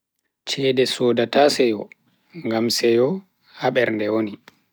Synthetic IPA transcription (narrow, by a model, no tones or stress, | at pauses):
t͡ʃɛːdɛsɔːdatasɛjɔ | ŋɡamsɛjɔ | haɓɛɾndɛwoni